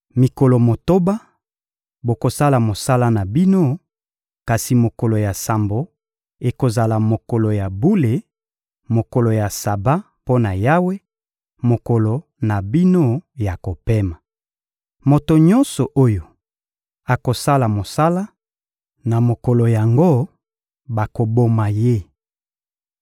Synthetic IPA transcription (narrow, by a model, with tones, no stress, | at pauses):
mi˨ko˨lo˨mo˨to˦ba˦ | bo˨ko˨sa˦la˨mo˨sa˦la˦na˨bi˦no˦ | ka˨si˨mo˨ko˨lo˨ja˨sa˨mbo˨ | e˨ko˨za˨la˨mo˨ko˨lo˨ja˨bu˦le˨ | mo˨ko˨lo˨ja˨sa˨ba˦ | po˦na˨ja˦we˦ | mo˨kɔ˨lo˨ | na˨bi˦no˦ja˨ko˨pe˦ma˨ | mo˨to˨ɲɔ̃˦nsɔ˨ʔo˦jo˨ | a˨ko˨sa˦la˨mo˨sa˦la˦ | na˨mo˨kɔ˨lo˨ja˨ŋɡo˦ | ba˨ko˨bo˦ma˨je˦